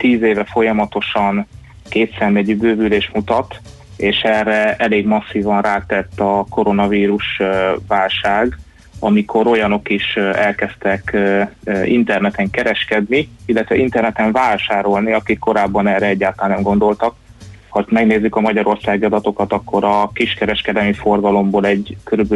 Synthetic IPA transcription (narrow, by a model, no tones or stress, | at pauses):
t̪iːzeːvɛfo̞jɒmɒt̪o̞ʃɒn | keːt̪sɛnmɛɟybøːvyleːʃmut̪ɒt̪ | eːʃɛrːɛɛleːɡmɒsːiːvɒnraːt̪ɛt̪ːɒko̞ɾo̞nɒviːɾuʃvaːlʃaːɡ | ɒmikʰo̞ɾo̞jɒno̞kiʃɛlkɛst̪ɛk | ḭnt̪ɛrnɛt̪ɛŋkɛɾɛʃkɛd̪niilːɛt̪ʋɛint̪ɛrnɛt̪ɛɱvaːlʃaːɾo̞lniɒkikːo̞ɾaːbːɒnɛːrɛɛɟːaːt̪lanːɛmɡo̞nd̪o̞lt̪ɒk | hɒmɛɡneːzːykɒmɒɟɒɾo̞rsaːɡiɒd̪ɒt̪o̞kɒt̪ɒkʰːo̞ɾɒkiʃkɛɾɛʃkɛd̪ɛlmifo̞rɡɒlo̞mboːlɛɟkøɾybø